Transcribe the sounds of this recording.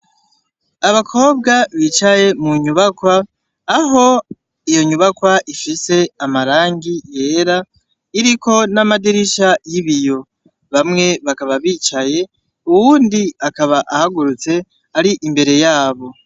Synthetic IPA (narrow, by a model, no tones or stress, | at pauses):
aβakʰo̞ːb̚ɡaβit͡ʃaje̞muɲuβakwaː | ɦo̞ | ijo̞ɲuβakwaʔifise̞amaɾaːŋɡije̞ːɾa | iɾiko̞namadiɾiʃajiβijo̞ | βamŋe̞βakaβaβiːt͡ʃaje̞ | uwuːndiakaβaʔahaɡuɾut͡se̞ | aɾiʔimbe̞ɾe̞jaːβo̞